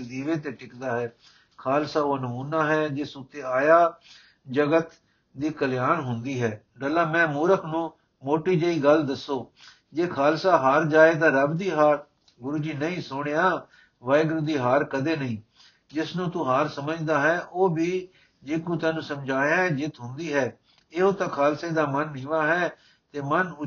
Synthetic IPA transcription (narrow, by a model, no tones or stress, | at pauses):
d̪iːʋeːt̪eːʈɪkd̪aːɦɛː | kʰaːlsaːoːnʊmuːnaːɦɛːd͡ʒɪːsut̪eːaːjaː | d͡ʒəɡət̪ | d̪iːkəljaːnɦʊnd̪iːɦɛː | ɖəlːaːmɛ̃ːmuːɾəkʰnũː | moːʈiːd͡ʒəiːɡəld̪əsːoː | d͡ʒeːkʰaːlsaːɦaːɾd͡ʒaːeːt̪ãːɾəbd̪iːɦaːɾ | ɡʊɾuːd͡ʒiːnəĩːsʊɽ̃ejãː | ʋaːɪɡɾud̪iːɦaːɾkəd̪eːnəĩː | d͡ʒɪsnũːt̪ũːɦaːɾsəməd͡ʒd̪aːɦɛːʔoːbiː | d͡ʒeːkũːt̪ɛ̃ːnũːsəmd͡ʒaːjãːd͡ʒɪt̪ɦʊnd̪iːɦɛː | ɪɦoːt̪ãːkʰaːlseːd̪aːmənːĩːʋaːɦɛː | t̪eːmənʊ